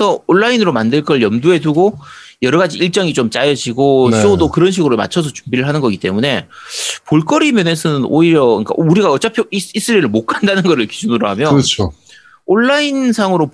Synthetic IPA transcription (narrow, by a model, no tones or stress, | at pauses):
sʰʌoɭːainɯɾomandɯɭk͈ʌɭjʌmdue̞duɡo | jʌɾʌɡad͡ʑiiɭt͡ɕ͈ʌŋit͡ɕomt͡ɕ͈ajʌd͡ʑiɡoɕiodokɯɾʌnɕ̬ʰiɡɯɾoma̰t͡ɕʰʌs̬ʰʌt͡ɕumbiɾɯɭɦanɯnɡʌɡit͈e̞mune̞poɭk͈ʌɾimjʌnes̬ʰʌnɯno̰iɾjʌḭnk͈a̰ʔuɾiɡaʌt͡ɕ͈apʰjois͈ɯɾiɾɯɭmok͈andanɯnɡʌɾɯɭkid͡ʑunɯɾoɦamjʌt͡ɕʰo | oɭːainsʰaŋɯɾo